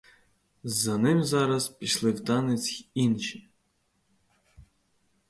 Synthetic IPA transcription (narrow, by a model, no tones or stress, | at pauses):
zɐnɪmzɑɾɐzpʲiʃlˠɪwt̪ɑnɪt͡sʲinʃi